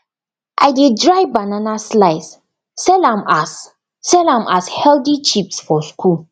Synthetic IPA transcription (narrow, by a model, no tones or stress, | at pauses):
ʔajdɪd̚dɹajbananaslaɪs | sɛlamʔasː | ɛlamʔashɛldit͡ʃipsfɔskʰul